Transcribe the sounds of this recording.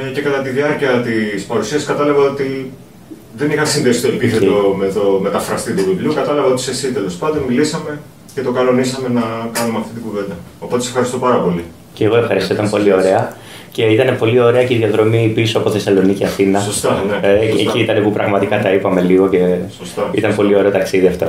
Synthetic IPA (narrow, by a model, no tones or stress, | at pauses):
ce̞kɐt̪ɐt̪iðiɐɾciɐt̪ispɐɾusiɐsiskɐt̪ɐlɐvɐo̞t̪i | ðe̞nixɐnsinðesi̥st̪oepiθet̪omet̪ome̞t̪ɐfɾɐst̪it̪uvibliukɐt̪ɐlɐvɐo̞t̪i̥sesit̪elo̞spɐnd̪onmilisɐme̞ | ce̞t̪o̞kɐlo̞nisɐme̞nɐkɐnumeɐft̪it̪̬iɡuve̞nd̪ɐ | opot̪esxɐɾist̪opɐɾɐpo̞li | ceːɣo̞e̞fxɐɾist̪oit̪ɐmpolio̞ɾe̞ɐ | ce̞it̪ɐne̞po̞lio̞ɾe̞ɐceiðʝɐðɾo̞mipisoɐpo̞θe̞sɐlo̞niciɐθinɐsost̪ɐneeciit̪ɐnepupɾɐɣmɐt̪ikɐt̪ɐipɐme̞liɣo̞ce̞sost̪ɐḭt̪ɐnepo̞lio̞ɾe̞ot̪ɐksiðiɐft̪o̰